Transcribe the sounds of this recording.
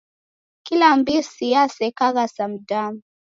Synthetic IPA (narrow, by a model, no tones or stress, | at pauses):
kilambisijasɛkaɣasam̩dam